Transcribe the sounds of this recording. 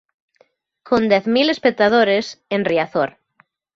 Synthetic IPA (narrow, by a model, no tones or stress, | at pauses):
kʰõnd̪ɛθmilespek̚t̪að̞oɾesenriaθoɾ